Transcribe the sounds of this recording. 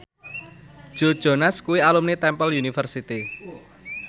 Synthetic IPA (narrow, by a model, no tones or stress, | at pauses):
ʒ̥o̤d̥ʒ̥o̤naskuwialumnet̪ɛmpəljunifərsit̪i